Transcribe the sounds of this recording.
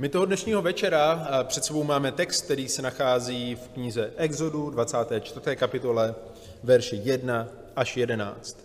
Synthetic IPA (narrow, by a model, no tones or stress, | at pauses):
mɪt̪oɦodnɛʃɲiːɦo̞vɛt͡ʃɛɾapr̥ɛt̪sɛbo̞wmaːmɛt̪ɛkst̪̚k̚t̪ɛɾiːsɛnaxaːziːfkɲɪzɛʔɛɡzo̞dudvat͡saːt̪ɛːt͡ʃt̪vr̩t̪ɛːkapɪt̪o̞lɛ | vɛɾʃɛjɛdna | ʔaʃjɛdɛna̰ːt͡st̪